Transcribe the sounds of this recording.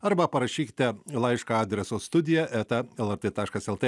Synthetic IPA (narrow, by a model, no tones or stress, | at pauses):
ɐɾbɐpɐɾɐʃʲiːkʲɪ̥t̪ʲɛlˠɐɪʃkɑɑːd̪ʲɾʲɛsoːst̪ʊd̪ʲɪjɛʔɛt̪ɐɛlˠɛɾt̪et̪ɑːʃkɐsɛlˠt̪e